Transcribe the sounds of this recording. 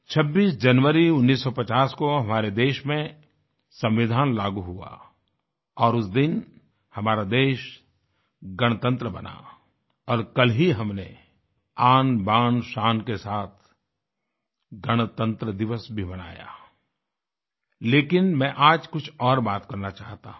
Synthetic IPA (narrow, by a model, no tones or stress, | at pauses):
t͡ʃʰɐbːiːsd͡ʒɐnʋəɾiʊnːiːsːɔpɐt͡ʃaːskoɦɐmaːɾed̪eːʃmẽ | sɐ̃mʋɪd̪ʱaːnlaːɡuɦua̰ | ɔːɾʊsd̪ɪn | hɐmaːɾad̪eːʃ | ɡɐɽ̃t̪ə̃nt̪ɾəbɐ̰na̰ | ɔːɾkɐlɦiɦɐmne | aːnbaːnʃaːnkesaːt̪ʰ | ɡɐɽ̃t̪ə̃nt̪ɾəd̪ɪʋəsbʱimɐna̰ːja̰ː | leːkɪnmɛ̃ʔaːd͡ʒkʊt͡ʃʰɔːɾbaːt̪kɐɾnat͡ʃaːɦt̪a̰ːɦ